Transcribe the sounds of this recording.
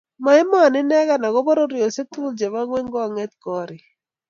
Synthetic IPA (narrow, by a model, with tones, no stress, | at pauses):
ma˨ɪ˦mɔ˦a˨nɪ˦nɛ˦ɡa˦na˨ɡɔ˦bɔ˦ɾo˦ɾɪ˨o˨se˦t̪u˦ld͡ʒɛ˨ma˦ŋwɛ˦ŋɡɔ˦a˨ŋɛ˦t̪̚kɔ˦ɾɪ˨